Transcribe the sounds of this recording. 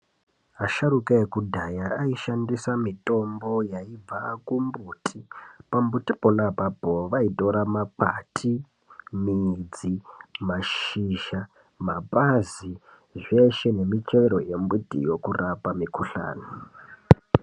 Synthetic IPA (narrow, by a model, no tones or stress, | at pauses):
aʃaɾukaekudʱajaaiʃandisamitʼo̞mbo̞jaib͡vakumbuːtʰipambutipolapapoʋaitʼo̞ɾamapa̰tʰi | mid͡zimaʃiʃa | mapazi | ʐe̞ʃe̞ne̞mit͡ʃeeɾo̰je̞mbutḭjo̞kurapamikuɬa̰ːno